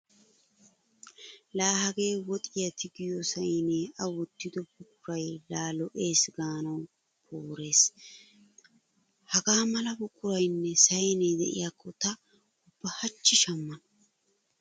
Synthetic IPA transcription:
laːhɐɡe̞ːwɔt̪ʼɪjɐt̪ɪɡɪjɔsɐjneɐwɔt̪ːɪd̪ɔbʊkʼʊɾɐjlaːlɔʔe̞ːsɡaːnɐw | pʰoːɾe̞ːs | hɐɡaːmɐlɐbʊkʼːʊɾɐjnːɛsɐjned̪ɛʔɪ̰jaːkːɔt̪ɐ | ʊb̥ːɐhɐt͡ʃːɪʃɐmːɐn

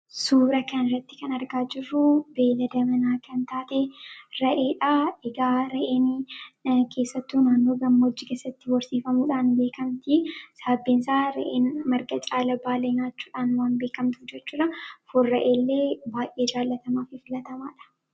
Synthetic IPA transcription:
suːɾɐkɐnɪrːɐt̪ːɪ̥kɐnɐɾɡaːd͡ʒɪrːʊbe̞ːlɐd̪ɐmɐnaːkɐnt̪aːt̪eɾɐʔe̞ːᶑaːɛɡaːɾɐʔeːn | kʰe̞ːsːɐt̪ːuːnaːnːo̞ːɡɐmːɐd͡ʒːɪkeːsːɐt̪ːɪwɔɾsiːfɐmuːᶑaːnbe̞ːkɐmt̪ɪsɐɐbːɪnsaːɾɐ̰ʔeːnmɐɾɡɐt͡ʃʼaːlɐbaːleːnaːt͡ʃːuːᶑaːnwaːnbeːkɐmt̪ʊfd͡ʒɛt͡ʃːuːᶑɐfʊrːɐʔe̞ːlːe̞ːbaːjʔeːd͡ʒaːlːɐt̪ɐmaːfɪfɪlɐt̪ɐma̰ːᶑɐ̥

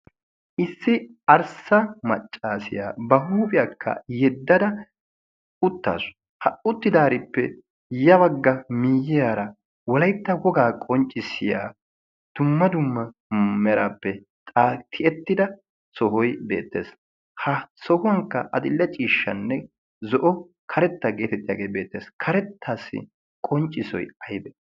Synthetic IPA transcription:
ʔɪsːɪɐɾsɐmɐt͡ʃʼːaːsɪ̰ja̰ːbɐɦuːpʼɪjaːkʰːɐ̰jɛd̪ːɐd̪ɐ | ʊt̪ːa̰ːsʊ̥ | hɐʊt̪ːɪd̪aːɾɪpːɛ | jɐbɐɡːɐmiːjɪjaːɾɐ | wɔlɐjt̪ːɐwɔɡaːkʼɔnt͡ʃʼːɪsɪja̰ː | d̪̥ʊmːɐd̪ʊmːɐ | mɛɾaːpːɛ | t̪ʼaːt̪ʰɪʔɛt̪ːɪd̪ɐ | sɔɦɔjbe̞̰ːt̪ːe̞̰ːs | hɐsɔhʊwɐŋkːɐʔɐd̪ɪlːɛt͡ʃʼiːʃːɐ̰nːɛ | zɔʔɔ | kʰɐɾɛt̪ːɐɡe̞ːt̪ɛt̪ʼːɪjaːɡeːbeːt̪ːeːskʰɐɾɛt̪ʰːaːsːɪ̰ | kʼɔnt͡ʃʼːɪsɔ̰jɐjbɛ

